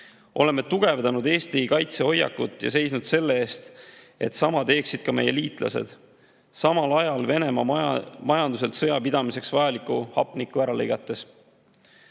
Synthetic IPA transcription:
ʔo̞le̞mːet̪uɡ̥e̞vd̪ɑnud̪eːst̪iikɑjt̪se̞o̞jːɑ̰kːˑut̪ˑːjɑ̰se̞jsnud̪̥se̞lːeeːst̪ | e̞̰t̪ːsɑmɑd̪e̞ːksid̪̥̚kɑme̞̰jːe̞̰liːt̪ˑlʔɑ̰se̞̰d̪̥ | sɑmɑlɑjɑlve̞ne̞mɑmɑjɑnd̪use̞lt̪sɤjɑpid̪̥ɑmise̞ksvɑjɑlikːuhɑpˑnikːˑuæɾɑlejɡ̥ɑt̪ːˑe̞s

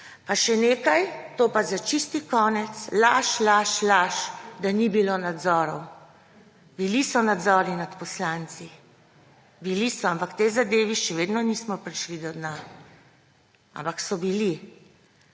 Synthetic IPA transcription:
paʃɛneːkajt̪oːpazat͡ʃist̪ikɔːnɛt̪slaʃlaʃlaʃd̪anibiloːnad̪zɔːɾɔw | bilisɔnad̪zɔːɾinat̪pɔslaːnt̪si | bilisɔampakt̪ejzad̪eːʋiʃɛʋeːd̪nɔnismɔpɾiʃlid̪ɔd̪na | a̰mpaksɔbili

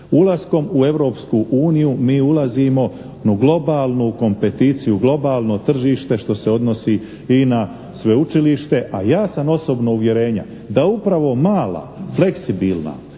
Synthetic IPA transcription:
ulˠasko̞mue̞ʋɾo̞ːpskuʔuːnijumiːulazimo̞ | nuɡlo̞baːlˠnuko̞mpe̞t̪iːt̪sijuɡlˠo̞baːlˠno̞t̪r̩ʒiːʃt̪e̞ʃt̪o̞se̞o̞d̪no̞si | ina | sʋe̞ut͡ʃiliʃt̪e̞ʔajaːsamo̞so̞bnouʋje̞ɾe̞ːɲa̰ | d̪aupɾaʋo̞maːla̰fle̞ksibiːlˠna̰

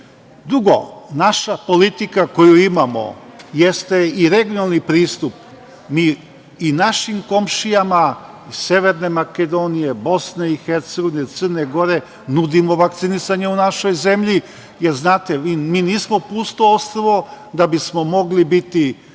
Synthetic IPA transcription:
d̪ɾuɡo̞̰naʃapo̞lit̪ikako̞juimamo̰jest̪eiɾeɡjonalˠnipɾiːst̪up | miː | naʃimko̞mʃijama | ise̞ʋeɾne̞maked̪o̞nije̞bo̞sne̞ixeɾt̪seɡo̞ʋinet̪səɾne̞ɡo̞ɾe̞ | nud̪imo̞ʋakt̪sinisaɲeunaʃo̞jze̞mʎi | jeɾznaːt̪eimiːniːsmo̞puːst̪oost̪ɾoʋo̞ | d̪abismo̞mo̞ɡlibit̪i

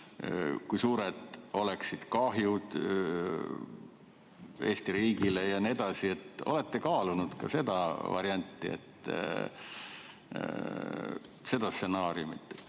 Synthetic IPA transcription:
kujsuːɾed̪̥o̞le̞ksid̪̥kɑɦjud̪̥ | e̞ːst̪iɾiːɡilejɑnied̪̥ɑsie̞t̪ːo̞̰le̞t̪ːekɑːlunud̪̥kɑ̰se̞d̪̥ɑvɑ̰ɾiɑnʲt̪ˑːiḛt̪ː | se̞d̪ɑst̪se̞nɑːɾiumit̪ːˑ

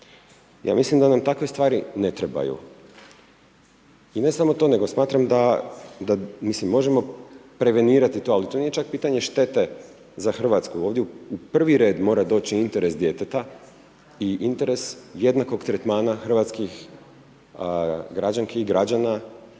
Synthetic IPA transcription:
ja̰ːmislimd̪anamt̪akʋest̪ʋaːɾine̞t̪ɾeba̰jṵ | ine̞samo̞t̪o̞ːne̞ɡo̞smaːt̪ɾamd̪ad̪amislimːo̞ʒemo̞pɾe̞ʋe̞niːɾat̪it̪o̞alit̪oniːje̞t͡ʃak̚piːt̪aɲe̞ʃt̪e̞t̪e̞ | zaxr̩ʋat̪skuo̞ːʋd̪jeupr̩ʋiɾe̞ːd̪mo̞ːɾad̪o̞ːt͡ɕiint̪e̞ɾe̞sd̪jet̪et̪a | iʔint̪e̞ɾe̞sje̞d̪nako̞ɡt̪ɾet̪maːnaxr̩ʋat̪skix | ɡɾad͡ʑaŋkeiɡɾad͡ʑana

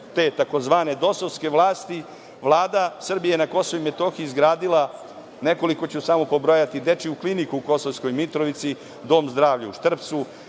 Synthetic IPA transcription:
t̪eːt̪ako̞zʋaːne̞d̪o̞soʋske̞ʋlˠaːst̪i | ʋlˠaːd̪asr̩bijeenako̞soʋimet̪o̞xiːzɡɾaːd̪ilˠa | ne̞ko̞liko̞t͡ɕusamopo̞bɾojat̪id̪e̞t͡ʂiuklinikuːko̞soʋsko̞jmit̪ɾoʋit̪si | d̪o̞mzd̪ɾaːʋʎuʃt̪r̩pt̪su

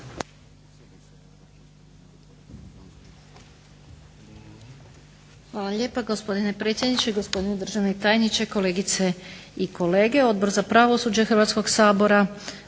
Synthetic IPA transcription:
xʋaːlˠaʎeːpaɡo̞spo̞d̪inepɾet̪sjed̪nit͡ʃe̞iɡo̞spo̞d̪ined̪r̩ʒaʋneit̪aːjnit͡ɕe̞ko̞le̞ːɡit̪seiko̞le̞ːɡe̞o̞d̪̚bo̞ɾzapɾaʋosuːd͡ʑexr̩ʋat̪sko̞ɡsaːbo̞ɾa

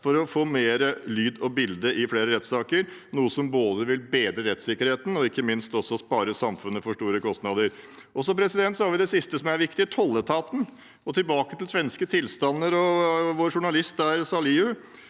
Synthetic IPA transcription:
fɔɾɔfoːmeːɾəlyːd̪ɔbɪld̪əʔɪfleːɾəɾɛt̪sɑːkəɾ | nuːəsɔmboːd̪əʋɪlbeːd̪ɾəɾɛt̪sɪkːəɾheːt̪n̩ɔɪkːəmɪnst̪ɔsːɔspɑːɾəsɑmfʉnːəfɔʂʈuːɾəkɔst̪nɑd̪əɾ | ʔɔsɔmpʰɾɛsɪd̪ɛnt̪sɔhɑɾʋɪd̪ɛsɪst̪əsɔmæɾʋɪkt̪ɪt̪ʰɔlːət̪ʰɑːt̪n̩ | ɔt̪ʰɪlbɑːkət̪ɪlsʋɛnskət̪ʰɪlst̪ɑnːəɾɔʋoːɾʂʊɳɑlɪst̪æɾsɑliːʉ

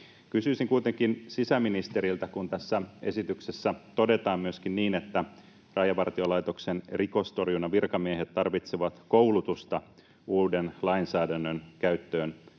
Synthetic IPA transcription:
kysyːsiŋkuijt̪eŋkinsisæminist̪e̞ɾilt̪ækunt̪æsːæe̞̰sit̪yksesːæt̪ode̞t̪ɑːmmyøskinniːnet̪ːæ | rɑjɑʋɑrt̪iolɑjt̪oksenriko̞st̪o̞rjunɑʋirkɑmiehet̪tːɑrʋit̪seʋɑt̪koulut̪ust̪ɑ | uːdenlɑinsæːdænːønkæyt̪ːøːn

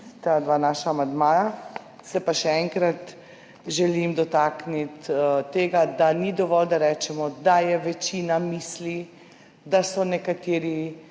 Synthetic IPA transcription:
t̪ad̪ʋaːnaːʃaːmand̪maːja | sɛpaʃɛɛŋkɾat̪ | ʒɛlimd̪ɔt̪aːknit̪t̪eːɡad̪anid̪ɔʋɔld̪aɾɛːt͡ʃɛmɔd̪ajɛʋɛt͡ʃinamiːsli | d̪asɔnɛkat̪eːɾi

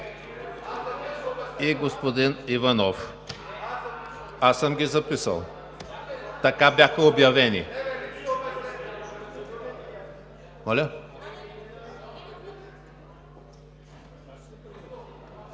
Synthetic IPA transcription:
iɡospod̪inivanɔf | asəmɡʲizɐpisə̰lˠ | t̪ɐkabʲjaxɐobjɐvɛnḭ | mɔlʲɐ

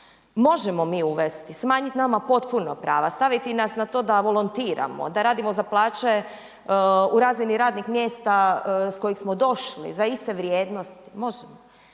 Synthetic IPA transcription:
mo̞ʒemo̞miːuʋest̪ismaːɲit̪namapo̞t̪punopɾa̰ːʋast̪aʋit̪inasnat̪o̞ːd̪aʋo̞lˠont̪iːɾa̰mo̰d̪aɾaːd̪imo̞zaplˠaːt͡ʃe̞ | uɾaːzʋiniɾaːd̪nixmjest̪asko̞jixsmo̞d̪o̞ʃlḭzaist̪e̞ʋɾjeːd̪no̞st̪i̥mo̞ʒemo

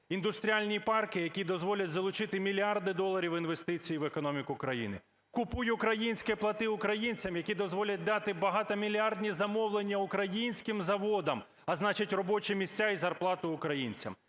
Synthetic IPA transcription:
ind̪ʊst̪ɾʲialʲnʲipɑrkɪjɐkʲid̪ɔzʋɔlʲɐtʲzɐlˠʊt͡ʃɪt̪ɪmʲilʲiɑrd̪ɪd̪ɔlˠɐɾʲiwinʋe̞st̪ɪt͡sʲijiʋekɔnɔmʲikʊkɾɐjḭnɪ̰ | kʊpujʊkɾɐjinʲsʲkɛplˠɐt̪ɪʊkɾɐjinʲt͡sʲɐmjɐkʲid̪ɔzʋɔlʲɐt̚ʲd̪ɑt̪ɪbɐɦɑt̪ɐmʲilʲiɑrd̪ʲnʲizɐmɔwlˠenʲːɐʊkɾɐjinʲsʲkɪmzɐʋɔd̪ɐm | ɐznɑt͡ʃɪtʲrɔbɔt͡ʃɛmʲisʲt͡sʲːaizɐrplˠɑt̪ʊʊkɾɐjinʲt͡sʲɐ̰m

